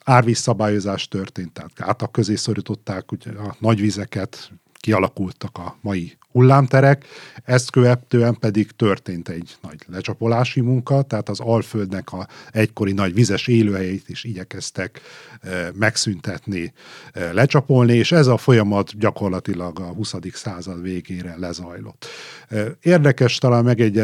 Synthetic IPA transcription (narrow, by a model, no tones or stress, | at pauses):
aːrʋisːɒbaːjo̞zaːʃt̪ø̞rt̪eːnt̪ːɛɦat̪ɡ̥a̰ːt̪ɒkːø̞zeːso̞ɾit̪o̞t̪ːaːkuɟɒnɒɟʋizɛkɛt̪ | kiɒlɒkult̪ɒkɒmɒji | hulːaːmt̪ɛɾɛkɛst̪køvɛt̪øːɛmpɛd̪iɡt̪ø̞rt̪eːnt̪ɛɟnɒɟlɛt͡ʃɒpo̞laːʃimuŋkɒt̪ɛɦaːt̪ɒzɒlføld̪nɛkɒɛcko̞ɾinɒɟʋizɛʃeːløːɦɛjɛit̪eːʃiɟɛkɛst̪ɛk | mɛksynt̪ɛt̪nilɛt͡ʃɒpo̞lnieːʃɛzɒfo̞jɒmɒt̪ɟɒko̞rlɒt̪ilɒɡɒhusɒd̪iksaːzɒd̪ʋeːɡeːɾɛlɛzɒjlo̞̰t̪ː | eːrd̪ɛkɛʃt̪ɒlaːnmɛɡɛɟːɛ